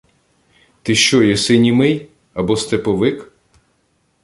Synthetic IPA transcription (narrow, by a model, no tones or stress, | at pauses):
t̪ɪʃt͡ʃɔjɛsɪnʲimɪj | ɐbɔst̪epɔʋɪk